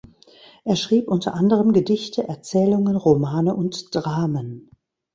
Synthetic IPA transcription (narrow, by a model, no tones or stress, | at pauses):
ʔeːɐʃʁ̥iːpʔʊntʰɐ̰ʔandəʁ̞əmɡədɪçtʰəʔɛɐt͡sɛːlʊŋənʁomaːnəʔʊntd̥ʁaːmən